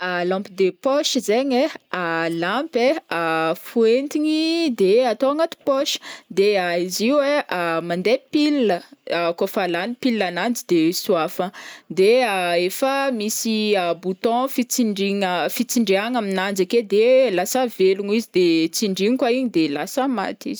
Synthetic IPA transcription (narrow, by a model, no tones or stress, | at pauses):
alɔ̃mpid̪epɔʃizeɲealãmpeafuent̪iɲid̪eat̪oaŋat̪u̥pɔʃi̥d̪eaiziuweamand̪epilːəkofalanipilːanand͡zid̪esuafəd̪eaefəmisiabut̪ɔ̃fit͡siɳɖ͡ʐiŋəfit͡siɳɖ͡ʐeaŋaminand͡zaked̪elasaveluŋizid̪et͡siɳɖ͡ʐiɲikwaiɲid̪elasəma̰t̪ḭzi